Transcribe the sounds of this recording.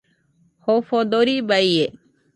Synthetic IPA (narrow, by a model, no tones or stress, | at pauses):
hofod̪oɾibaije